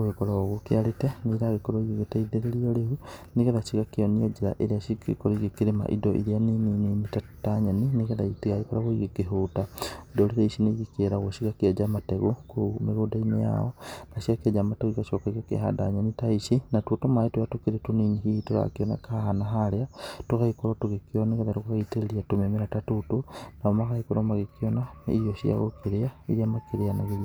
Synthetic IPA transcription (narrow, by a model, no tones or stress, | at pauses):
oɣekoɾoɣukeaɾeteniɾaɣekoɾoiɣiɣetaideɾeiolehuniɣeðaʃiɣakeoniod͡ʒiɾa̰ʔeɾeaʃikḛkoɾoiɣekiɾema̰ʔḭdoʔḭɾianinininitataɲaniniɣeðaitiɣaikoɾaɣoiɣekeɦuːtaidoliɾaiʃineiɣikeɾaɣoʃiɣaked͡ʒamateɣokumeɣodainḛja̰onaʃjaked͡ʒamataɣikaʃokaɣiakḛha̰da̰ɲanitaiʃinatuotomaetujatukiɾetuniniɦitoɾa̰kiona̰kahanaɦaɾeatoɣaikoɾotuɣekionekaðaɾokokaiteɾeɾiatomemeɾatatutonaomakahikoɾomaɣekionaḭjoʃia̰ɣokeɾeaiɾiamakeɾeanaɣe